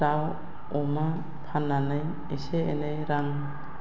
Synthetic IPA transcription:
aw | ɔma | pʰanːanɯj | eseenejɾaŋ

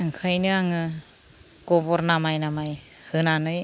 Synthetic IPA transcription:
ɯŋkʰajnɯaŋɯ | ɡ̥ɔbɔɾnamajnamaj | hɯnanɯj

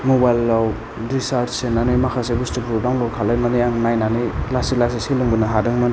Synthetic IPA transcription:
mobajlːaw | ɾisaɾtsenanɯmakʰasebustikʰɾudaŋlɔwkʰalajnanijaŋnajnanɯlasilasiseluŋbɯnaɦadɯŋmɯn

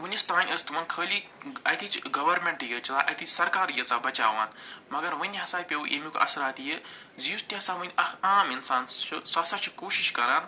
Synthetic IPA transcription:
ʋɨnʲist̪aːnʲəst̪ʰumɐnkʰəːlʲiɐt̪ʰit͡ʃɡɐʋɐɾmʲeɳʈjət͡ʃɐlaːʔɐ̰t̪ʰisɐɾkaːɾjɐt͡saːbɐt͡ʃa̰ːʋaːnmɐɡɐɾʋɨnʲiɦɐsaːjpʲewuʔḛmikoʔɐ̰sɾaːt̪jə | zijusʈ̪ʲiɦɐsaːʋunʲʔɐaːminsaːnʃʰɐsɐsɐt͡ʃʰikoːʃiʃkɐɾaːn

